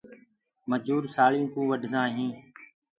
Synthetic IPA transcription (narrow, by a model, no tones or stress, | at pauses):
məd͡ʒuːɾsaːɭijũːkũːʋəɖʱnãːɦĩː